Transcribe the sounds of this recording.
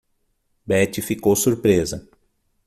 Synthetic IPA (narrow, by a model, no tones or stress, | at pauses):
bɛt͡ʃifikowsuɾpɾezɐ